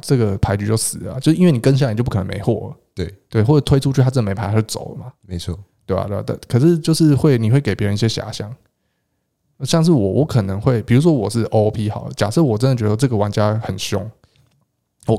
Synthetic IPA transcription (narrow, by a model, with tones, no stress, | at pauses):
ʈ͡ʂɤ˥˩ɡə˩pʰa˧˥ɪt͡ɕy˧˥t͡ɕjo˥˩ʊsɹ̩˨˩ə˩a̰˨˩t͡ɕjʂ̩˥˧i˥nwe˥˩ni˨˩kə˥n̬a˥˨t͡ɕo˥˧pk̪ʰə̰˧˦me˧˥ɪwɔ̰˥˩lə˩ | t̪we˥˩ɪt̪we˥˩ɪwɔ˥˩ə˩t̪ʰwe˥ɪu˥˧t͡ɕʰy˥˩t̪ʰa˥t͡s̩̪˥˩ə˨me˧˥pʰa˧˥a˥˩y˥˩t͡so̰˨˩ʊlə̰˦˩ma˩me˨˦ɪt͡sʰɔ˥˩t̪we˥˩ɪa̰˨t̪t̪kʰɤ˨˩ʂɻ̩˥˧t͡ɕjo˥˧ʊʂɻ̩˥˧xwe˥˩ɪni˨˩xwe˥˩ɪke˨˩ɪpjɛ˧˥ə˧ni˧ɕjɛ˦ɕja̰˨˥˦ɕjɑ̰˥˩ŋ | ɕjɑ˥˧ŋʂ̬ɻ̩˥˩wɔ˨˩wʔɔ˧˥kʰə˨˩nə˧˦ŋxwe˥˩ɪpi˨˩ɻu˧˥ʂ̬wɔ˦˥wɔ˨˩ʂɻ̩˥˩ʔo˥˦ʊpʰi˦˥xɑ̰˨˩ʊ˩t͡ɕja˨˩ʂɤ˥˩wɔ˨˩ʈ͡ʂə˦nd̪t͡ɕɛ˧d̪ə˧˩wʈ͡ʂɤ˥˩ɡə˨wa˧˥˦nt͡ɕja˦˥xə˨˩nɕjʊ˥ŋ | wɔ˨˩